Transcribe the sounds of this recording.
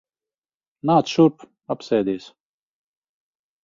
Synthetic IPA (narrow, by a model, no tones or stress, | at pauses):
naːt̪ʃuɾp | apsɛːd̪ʲiːs